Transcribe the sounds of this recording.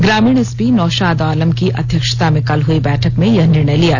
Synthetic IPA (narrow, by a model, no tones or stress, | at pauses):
ɡɾaːmiːɽ̃ɪspinɔːʃaːd̪aːləmkiʔʔɐd̪ʱjəkʃə̥t̪amẽkɐlɦuibɛːʈʰəkmẽjɐɦnɪɾɳəjlija